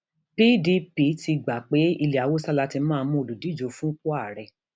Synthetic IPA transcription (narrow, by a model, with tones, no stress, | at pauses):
pi˦di˧˦pi˨˦ti˧ɡ͡ba˨k͡pe˨˦i˧li˨a˨wo˦sa˦la˧˦ti˧˦mãː˦˧mũ˦o˨lu˨di˨˦d͡ʒo˨˦fũ˦ku˦a˦˨ɾɛ˧˨